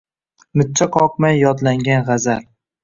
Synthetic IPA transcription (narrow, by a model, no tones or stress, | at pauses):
mɪt̪̚t͡ʃʰːaqʰɒqmajjɒd̪laŋɡʲanʁɑzal